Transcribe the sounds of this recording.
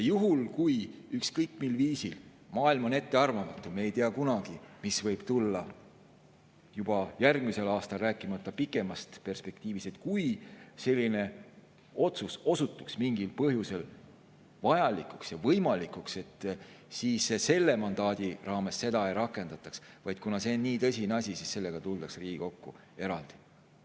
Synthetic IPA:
jɑjuɦulkujykskɤjkːmilviːsil | mɑːilmo̞ne̞t̪ːe̞ɑrvɑmɑt̪ˑːumeejt̪iɑkunɑɡ̥imisvɤjb̥t̪ulːɑ | jub̥ɑjærɡmise̞lɑːst̪ɑlræːkːˑimɑt̪ˑːɑpikːˑe̞mɑst̪pe̞rspe̞k̚t̪iːvist̪et̪̚kujse̞lʲːine̞ | o̞t̪suso̞sut̪ːˑu̥ksmiŋɡilpɤɦjuse̞l | vɑjɑlikˑuksjɑvɤjmɑlikːˑukse̞t̪ː | siːsese̞lːe̞mɑnd̪̥ɑːd̪̥ʲirɑːme̞sːe̞d̪̥ɑejɾɑkːˑe̞nd̪ɑt̪ːˑɑksvɑjd̪̥kunɑse̞nnːiːt̪ɤsʲinɑsʲisisse̞lːe̞ɡ̥ɑt̪uld̪̥ɑksriːɡ̥iko̞kːu | e̞ɾɑld̪̥i̥

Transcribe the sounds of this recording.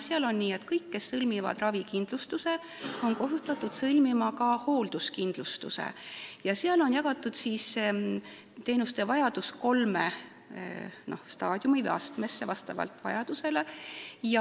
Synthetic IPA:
seɑlo̞nːiːe̞t̪kɤjkːe̞sːɤlʲmivɑ̰d̪̥rɑvikind̪̥lust̪use̞ | o̞nko̞ɦut̪ːˑɑt̪ːˑud̪̥sɤlʲmimɑkɑho̞ːld̪̥uskind̪̥lust̪ṵsḛjɑseɑlo̞njɑɡ̥ɑt̪ːˑud̪̥siːs | t̪e̞ːnust̪e̞vɑjɑd̪̥usko̞lme | no̞hst̪ɑːd̪̥ʲjumivɨ̰jɑ̰st̪me̞sːevɑst̪ɑ̰vɑ̰lt̪vɑ̰jɑd̪̥use̞le̞jɑ

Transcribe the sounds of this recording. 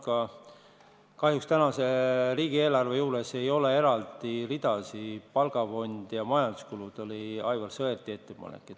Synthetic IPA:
kɑ | kɑɦjukst̪ænɑse̞riːɡie̞ːlɑrve̞juːɾe̞se̞jo̞le̞e̞ɾɑld̪̥irid̪̥ɑsipɑlɡ̥ɑfo̞nʲd̪̥jɑmɑjɑnd̪uskulud̪̥o̞liɑjvɑlsɤert̪ːˑie̞t̪ːe̞pɑ̰nḛkːˑet̪ː

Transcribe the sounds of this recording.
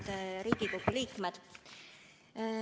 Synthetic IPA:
t̪ɾiːɡ̥iɡlupːuliːkmed̪̥

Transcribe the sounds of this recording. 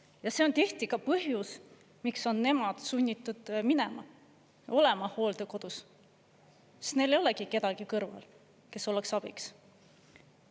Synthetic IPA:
jɑse̞o̞nt̪eht̪ikɑpɤɦjus | mikso̞nːe̞mɑd̪̥sunʲːit̪ːˑud̪̥minɛ̞mɑ̰ | o̞lɛ̞mɑho̞ːld̪̥eko̞d̪̥us | snejlejo̞leɡ̥ike̞d̪̥ɑɡ̥ikɤrvɑ̰l | ke̞so̞leksɑb̥iks

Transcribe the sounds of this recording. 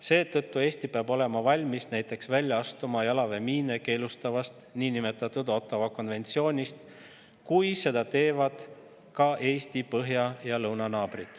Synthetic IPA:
se̞ːt̪ɤt̪ːˑue̞ːsʲt̪ipeɑbo̞le̞mɑvɑlʲmisnæjt̪ːˑe̞ksvælʲjɑɑst̪umɑjɑlɑve̞miːneke̞ːlust̪ɑvɑst̪niːnime̞t̪ːˑɑt̪ːˑud̪o̞t̪ːˑɑvɑko̞nve̞nt̪sio̞ːnʲist̪ | kujse̞d̪̥ɑt̪e̞ːvɑd̪̥ | kɑʔe̞ːst̪ipɤɦjɑjɑlɤwnɑnɑːb̥rit̪

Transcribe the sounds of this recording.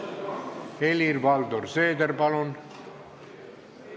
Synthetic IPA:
elirbɑld̪orseːd̪eɾpɑlun

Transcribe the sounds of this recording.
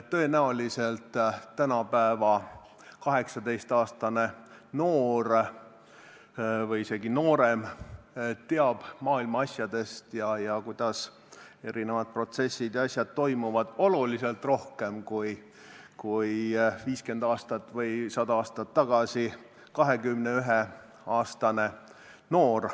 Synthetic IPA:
tt̪ːø̞e̞næolise̞lt̪t̪ːænɑpæevɑ | kɑɦe̞ksɑd̪e̞jst̪ɑːst̪ɑne̞noːɾ | vɤjise̞ɡino̞ːɾe̞m | t̪e̞ɑb̥mɑːilmɑɑsʲjɑd̪e̞st̪jɑjɑkujd̪̥ɑs | e̞ɾʔine̞vɑd̪̥̚pro̞t̪se̞sːid̪̥jɑsʲjɑd̪̥̚t̪ːo̞jmuvɑd̪̥o̞luliselt̪ˑro̞hke̞mkuj | kujviːske̞nd̪̥ɑːst̪ɑt̪ːˑvɤjsɑd̪ɑɑːst̪ɑt̪ːɑɡ̥ɑsi | kɑɦe̞ɡymneyɦe | ɑːst̪ɑne̞ | no̞ːr

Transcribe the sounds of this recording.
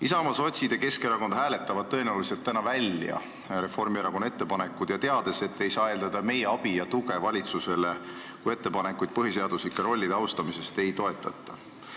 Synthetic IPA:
isɑmɑso̞t̪ʲsid̪̥e̞ke̞skeɾɑko̞nd̪ɦæːle̞t̪ːˑɑvɑd̪̥̚t̪ːɤ̞e̞neoliselt̪ːænɑvælʲjɑ̰ | ɾe̞fo̞rmieɾɑko̞nːe̞t̪ːe̞pɑnekːˑud̪̥jɑt̪e̞ɑd̪̥e̞se̞t̪ːe̞jsɑːeːld̪̥ɑd̪̥ɑme̞jeɑb̥ijɑt̪uɡ̥e̞vɑlʲit̪suse̞le̞ | kuje̞t̪ːe̞pɑnekːujd̪̥̚pɤɦise̞ɑd̪̥uslikːˑeɾo̞lʲːid̪̥eɑwst̪ɑmise̞st̪e̞jt̪o̞e̞t̪ːˑɑ̰t̪ˑːɑ̥

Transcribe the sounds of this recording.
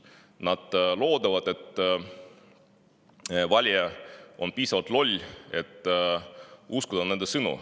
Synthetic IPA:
nɑd̪̥lo̞ːd̪ɑvɑd̪̥e̞t̪ː | vɑlʲjɛʔonpiːsɑvɑlt̪lo̞lʲːe̞t̪ː | uskud̪̥ɑne̞nd̪esɯnṵ

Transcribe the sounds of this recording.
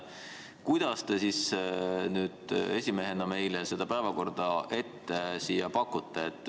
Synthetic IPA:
kujd̪̥ɑst̪e̞sisnyːd̪̥e̞sʲime̞ɦenɑme̞jlese̞d̪̥ɑpæevɑko̞rd̪̥ɑʔe̞t̪ːe̞siːjɑpɑkːˑut̪ːe̞ːt̪ːˑ

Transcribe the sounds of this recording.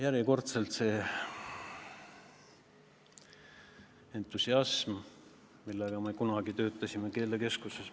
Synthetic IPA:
jæɾiko̞rt̪se̞lt̪se̞ː | e̞nt̪ːˑusiɑsm | milːeɡ̥ɑmekunɑɡ̥it̪ø̞ːt̪ːˑɑsʲimeke̞ːleke̞skuses

